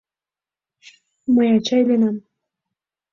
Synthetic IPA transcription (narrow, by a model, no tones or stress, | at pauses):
məjɑt͡ɕɑjlenɑm